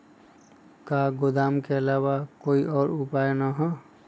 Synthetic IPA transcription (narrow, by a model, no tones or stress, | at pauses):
kaɡod̪amkeəlawakoiʔɔːɾupajnəɦɔ̃